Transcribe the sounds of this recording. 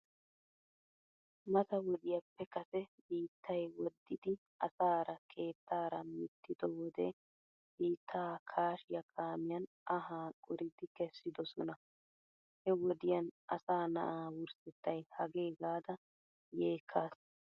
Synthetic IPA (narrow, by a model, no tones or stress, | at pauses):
mɐt̪ɐwɔd̪ɪjɐpːɛkɐsɛbiːt̪ʰːɐjwɔd̪ːɪd̪ɪ | ɐsaːɾɐkʰe̞ːt̪ːaːɾɐmɪt̪ːɪd̪ɔwɔd̪ɛ̰ | biːt̪ʰːaːkʰaːʃɪjɐkʰaːmɪjɐn | ʔɐɦaːkʼʊɾɪd̪ɪkɛsːɪd̪ɔsɔnɐ | hɛwɔd̪ɪjɐnɐ̰saːnɐ̰ʔaːwʊɾsɛt̪ːɐjhɐɡe̞ːɡaːd̪ɐ | jeːkʰːaːs